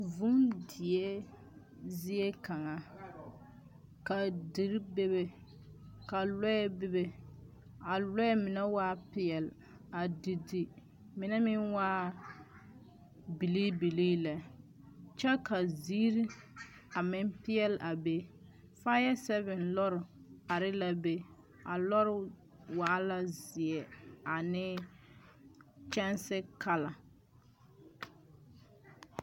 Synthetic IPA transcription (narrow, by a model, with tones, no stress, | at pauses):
vu˦mdɪ˨e˦ | zi˦e˦ka˨ŋa˨ | ka˨di˨ɾbe˦be˨ | ka˨lɔ˦ɛ˦bɪ˦be˦ | a˨lɔ˦ɛ˦mɪ˨nɛ˦waː˦pɪ˦ɛ˨l | a˨di˨di˨ | mɪ˨nɛ˦mɪ˦nwaː˦ | bi˨li˦bi˨liː˦la˨ | t͡ʃɛ˦ka˨ziː˦ɾi˦ | a˨mɪ˦mpɪ˦ɛ˦lʔa˨be˦ | faː˦jɛ˦sɛ˦βɪ˨nlɔ˦ɾɪ˨a˨ɾɪ˦la˦be˦ | a˨lɔ˦ɾɪ˦ | waː˦la˦zɪ˨ɛ˨a˨nɪ˦ | t͡ʃɛ˦nsɪ˦ka˦la˨